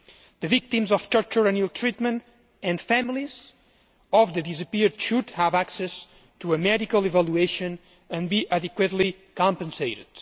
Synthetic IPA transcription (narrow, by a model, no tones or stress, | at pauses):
ðəvik̚t̪ĩmzɔft̪ə˞t̪əɹanilˠt̪ʰɹit̪mə̃nt | ɨ̃nfæmilˠiz | ɔfðədizəpiɹdʃud̪hævaksɛs | tuəmɛɾikəlˠevalueʃɨ̃n | ɨ̃nbiʔadɨkwət̪li | kɑ̃mpə̃nseɪɾɨ̰d̪̥